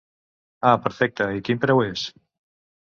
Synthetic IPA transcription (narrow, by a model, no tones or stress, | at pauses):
apeɾfɛk̚t̪aikimpɾewes